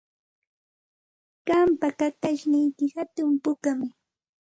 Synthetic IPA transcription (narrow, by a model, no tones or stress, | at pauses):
ɢ̥ampakat̪aʃnɪjkɪhat̪ʊmpʊkamɪ